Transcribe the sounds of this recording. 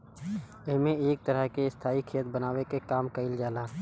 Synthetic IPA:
ɪɦmẽeːk̚t̪əɾəɦkeɪst̪ʰaːikʰeːt̪bənaːwekekaːmkəɪld͡ʒaːlaː

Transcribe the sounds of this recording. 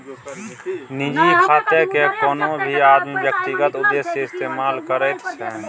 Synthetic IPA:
nɪd͡ʒikʰaːt̪ekekoːnõbʱiaːd̪mibjək̚t̪iɡət̪ʊd̪ːeːseɪst̪eːmaːlkəɾeːk̪sʰɛ̃ː

